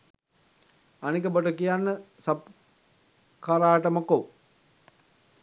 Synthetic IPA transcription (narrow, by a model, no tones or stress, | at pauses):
anikəboʈəkijanːəsap̚ | kaɾaːʈəməko